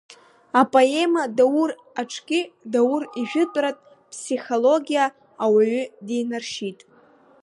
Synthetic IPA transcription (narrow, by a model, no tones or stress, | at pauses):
apʼo̞e̞madawur | aʈ͡ʂʰkʲɪdawʊriʒᶣʊtʼratʼ | pʰsiχo̞lo̞ɡʲijaː | waɥʏdejnarʃitʼ